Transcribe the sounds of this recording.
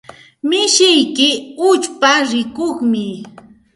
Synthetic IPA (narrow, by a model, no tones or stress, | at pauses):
mɪʃɪjkɪʊt͡ʃpaɾɪkoχmɪ